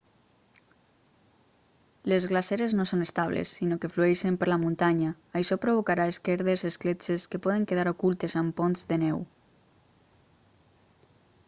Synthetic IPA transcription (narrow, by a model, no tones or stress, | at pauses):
lezɣlaseɾeznosonest̪aβ̞lḛsːinokeflueʃempəɾlamunt̪aɲaːjʃɔpɾoβ̞okaɾaeskeɾð̞ezesklet͡ʃeskepɔðeŋkeð̞aɾokulˠt̪ezamponzðenɛw